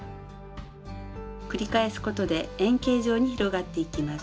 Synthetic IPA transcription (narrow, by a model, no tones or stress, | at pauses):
kɯ̟ɾʲikae̞sɨ̥ko̞t̪o̞d̪e̞ẽŋke̞ːʑo̞ːɲ̟içiɾo̞ɡat̪ːe̞ikʲimas